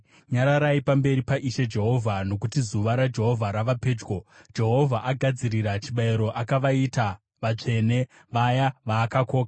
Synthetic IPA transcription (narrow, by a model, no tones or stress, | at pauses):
ɲaɾaɾaipambe̞ɾipaʔiʃe̞d͡ʒe̞ɦo̞vʱano̞kutizuʋaɾad͡ʒe̞ɦo̞vʱaɾaʋape̞ːd͡ʒɡod͡ʒe̞ɦo̞vʱaʔaɡʱad͡ziriɾat͡ʃiɓaiɾo̞ʔakaʋaita | ʋat͡ʂe̞ne̞ | ʋajaʋaːkako̞ːka